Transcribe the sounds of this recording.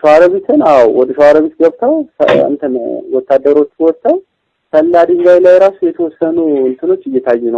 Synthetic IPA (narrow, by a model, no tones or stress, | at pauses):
ʃəwaɾəβit̪ʰɨnawwɔd̪əʃəwaɾəβit̪ɡəβt̪ʰəw̰ɨ̰nt̪ʰəmwɔt̪ːad̪ːəɾo̞t͡ʃːwɔt̪ʰːaw | səlːad̪ɨŋɡajlajɾasujɛt̪ʰəwɔsːənuɨnt̪ʰɨno̞t͡ʃːɨjːɛt̪ʰajːɛnəw